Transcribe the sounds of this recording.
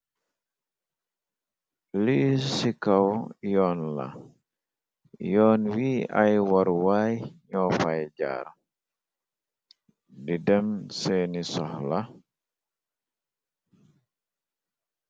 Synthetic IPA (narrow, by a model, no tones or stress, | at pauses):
lisikawjɔːnla̰ | jɔːnwiːajwaɾwaːjɲɔfajd͡ʒa̰ːɾa | didɛmsenisɔhla